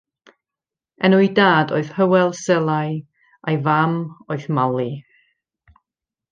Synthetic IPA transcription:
ɛnuidaːdoɨð̥həwɛlˠsɛlˠaj | ʔajvamoɨðmalˠi

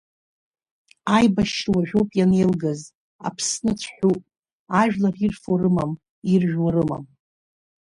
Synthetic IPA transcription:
ajbaʃwaʒᶣowpʼjane̞jlɡaz | a̰pʰsnɨt͡sʷʰħʷᶣupʼ | aʒᶣlarirfoɾɨmam | irʒᶣwaɾɨma̰m

